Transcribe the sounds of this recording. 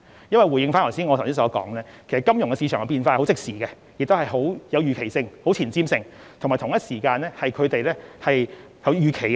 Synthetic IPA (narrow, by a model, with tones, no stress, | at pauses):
jɐ˥nwɐ˨jwuː˨˩jɪ˧ŋfaː˥nlɔː˨˩siː˥nŋɔ˨˧t̪ʰwsi˥sɔː˨˥kɔ̰ː˨˥ŋlɛː˥kʰe˨˩sɐ˨tkɐ˥mjʊ˨˩ŋkɛ˧si˧t͡ʃʰœː˨˩ŋɐ˨˧piː˧nfaː˧˨˩ho˨˥wt͡sɪ˥k̚siː˨˩ɡɛ˧ | jɪ˨k̚t̪o˥hɐ˨jɦo˨˥wjɐ˨˧wjyː˨kʰe˨˩jsɪ˧ŋho˨˥wt͡sʰiː˨˩nt͡siː˥msɪ˧ŋ | t̪ʰŋmaː˨˩t̪ʰʊ˨˩ŋjɐ˥t̚siː˨˩kaː˧nlɛː˥hɐ˨jkʰɵ˨˧ɥt̪e˨jlɛː˥hɐ˨j | jɐ˨˧wjyː˨kʰe˨˩j